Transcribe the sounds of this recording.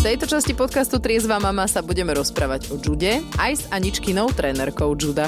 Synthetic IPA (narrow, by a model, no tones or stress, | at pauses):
ft̪ɛjt̪ɔt͡ʃascipɔt̪kast̪ut̪ɾɪɛzʋamamasabuɟɛmɛɾɔspɾaːʋaɟɔd͡ʒuɟɛʔajz̥aɲit͡ʃkinɔʊt̪ɾɛːnɛɾkɔʊd͡ʒud̪a